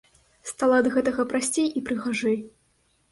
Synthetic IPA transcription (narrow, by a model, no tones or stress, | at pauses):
st̪alˠad̪ɐɣɛt̪ɐɣɐpɾasʲt͡sʲejipɾɨɣaʐɛj